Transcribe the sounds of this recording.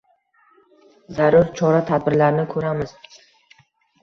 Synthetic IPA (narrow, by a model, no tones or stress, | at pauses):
zaɾʊɾt͡ʃʰɒɾat̪ʰad̪bɪɾlaɾɪnɪkʰɵɾamɪz̥